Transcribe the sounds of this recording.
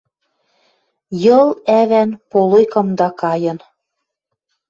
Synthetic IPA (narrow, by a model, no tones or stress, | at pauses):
jɤlæβænpolojkɤ̆md̪ɑkɑjɤ̆n